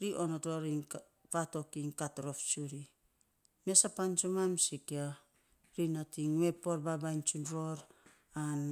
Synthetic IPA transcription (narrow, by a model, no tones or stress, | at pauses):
ɾiʔonotoɾiŋ | pato̞kiŋkatɾo̞ft͡ʃuɾi | mesapant͡ʃomamsikia | ɾinatiŋwepoɾbabajnt͡ʃunɾoɾ | an